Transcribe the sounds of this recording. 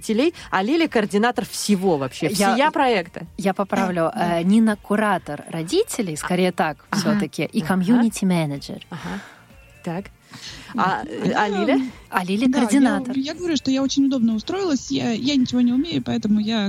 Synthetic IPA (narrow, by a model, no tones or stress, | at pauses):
tʲɪlʲejɐlʲilʲɪkəːrdʲɪnat̪ərfsʲɪvo̞vɐpɕːefsjaɪjapɾɐɛkt̪əjapɐpɾavlʲʊʔənʲɪnəkʊɾat̪ərːɐdʲitʲɪlʲɪjskɐɾʲejət̪akfsʲot̪əkʲɪʔikɐmjunʲɪtʲɪmɛnəd͡ʒə̰raɦa | t̪ak | a̰ɐlʲilʲɪɐlʲilʲɪkərdʲɪnat̪ərjaɡəvɐɾʲuʂt̪ojao̞t͡ɕɪnʲʊd̪o̞bnəʊst̪ɾo̞ɪlˠəsʲjajanʲɪt͡ɕɪvo̞nʲɪʊmʲeɾʊpɐɛt̪əmʊja